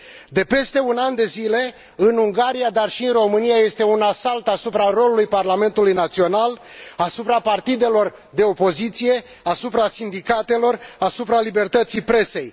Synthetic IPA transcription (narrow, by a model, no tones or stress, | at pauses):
d̪e̞pe̞st̪e̞unand̪e̞zile̞ | ɨnuŋɡaɾijad̪arʃiɨnro̞mɨnijaje̞st̪e̞unasalt̪asupɾaro̞lulujparlame̞nt̪ulujnat̪sio̞nal | asupɾapart̪id̪e̞lo̞r | d̪e̞o̞po̞zit̪sije̞ | asupɾasind̪ikat̪e̞lo̞rasupɾalibe̞rt̪ət̪sipɾe̞se̞j